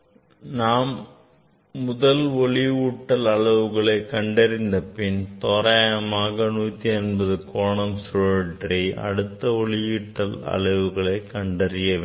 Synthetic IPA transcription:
naːmː | ʊðɐlɔɭɪuːʈːɐlɐɭɐʋɯɣɐɭɐɪkɐɳɖɐɾɪnd̪ɐpɪnt̪ɔːɾɐjɐmaːɣɐnuːt̪ːiɐnbɐðɯkoːɳɐmsʊɐʈrɐʔɐ̰ɽɯt̪ːɐɔɭɪjiːʈːɐlɐ̰ɭɐʋɯɣɐɭɐɪkɐɳɖɐɾɪjɐʋeː

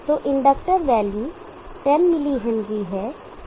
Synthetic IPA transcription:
t̪oʔɪ̃ɳɖək̚ʈəɾʋɛːli | ʈɛnmɪliɦɛnɡiɦɛː

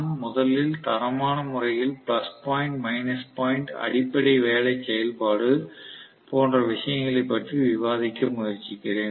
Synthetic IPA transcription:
mʊðɐlɪlt̪ɐɾɐmaːnɐmʊrɐjɪlplɐspaːjɪɳʈmɐɪnɐspaːɪɳʈɐ̰ɽɪpːɐɽɐɪʋeːlɐɪt͡ʃːɛjɐlpaːɽɯ | poːndrɐʋɪʂɐjɐŋɡɐɭɐɪpːɐʈriʋɪʋaːðɪkːɐmʊjɐɾt͡ʃːɪkːɪɽeːn

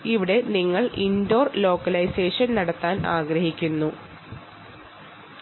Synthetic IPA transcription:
iʋiɽe̞niŋːɐɭindo̞ːrlo̞ːkːɐlɐjse̞ːʂɐnnɐɽɐt̪ːaːna̰ːɡɾɐɦikʲːunːu

